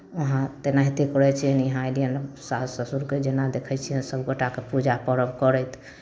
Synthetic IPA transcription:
ʋəɦãt̪enaɦit̪ekɔɾɛt͡ʃʰiɛnɦãjɖijənsasəsuɾked͡ʒenad̪ekʰɛt͡ʃʰijɛnsəbʱɡəʈakepud͡ʒapəɾəbkɔɾɛt̪ʰ

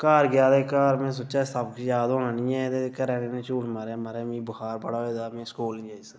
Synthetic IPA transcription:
kaːɾɡjaːd̪eːkaːɾmɛ̃ːs̬oːt͡ʃaːsəbkjaːd̪oːnaːnĩːɛ̃ːt̪ekəɾɛːneːnẽːt͡ʃuːɽməɾɛːməɾɛːmĩːbəhaːɾbəɽaːɦoːd̪aːmɛ̃ːskoːlnĩːd͡ʒaːiːsa

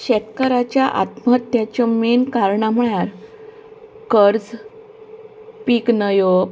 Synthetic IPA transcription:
ɕɛt̪kəɾat͡ɕjaʔa̰t̪məət̪jat͡ɕɔmenkaɾɳam̤əɭjaɾ | kəɾd͡z | piknəjo

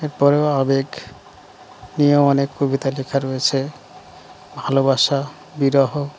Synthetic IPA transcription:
eɹpɔɹeoabeɡ | nijɔmɔnekːobit̪alekʰaɹoet͡ɕʰe | bʱalobaʃa | biɾɔɦɔ

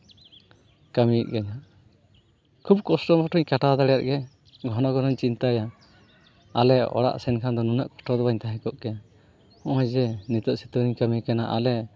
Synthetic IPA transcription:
kamiʔ̚kaɲaʔ | kʰubkɔsʈɔbɔʈʰɔɲkaʈad̪aɽɛjaʔ̪̚ɡɛ | ɡʱɔnɔɡɔnɔɲt͡ʃint̪aja | alɛɔ̰ɽa̰ʔsɛnkʰand̪ɔnunaʔkɔ̥sʈɔd̪ɔbaɲt̪aɦɛ̃kɔʔkɛa | ɔ̃ʔɔjd͡ʒɛnit̪ɔʔsit̪uɾiɲkamikanaʔalɛ

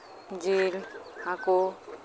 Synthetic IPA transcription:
d͡ʒilhako

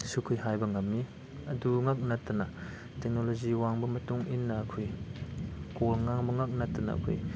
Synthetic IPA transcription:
sukʰɯjɦajbɐŋɐmːi | ɐduŋak̚natːɐnɐ | tek̚noloziwaŋbɐmɐtuŋinːɐːkʰoj | kolŋaŋbɐŋak̚natːɐnɐ̰ɐ̰kʰo̰j

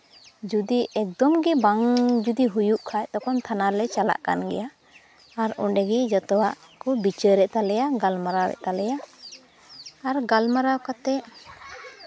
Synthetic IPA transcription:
d͡ʒud̪iʔɛk̚d̪ɔmɡibaŋd͡ʒud̪iɦujuʔkʰajt̪ɔkɔnt̪ʰanalɛt͡ʃala̰ʔka̰nɡɛ̰ja | aɾɔ̰ɖɛɡid͡ʒɔt̪ɔwaʔkɔbit͡ʃəɾɛʔt̪alɛjaɡalmaɾawɛ̰ʔt̪alɛja | ɾɡalmaɾawkat̪ɛʔ

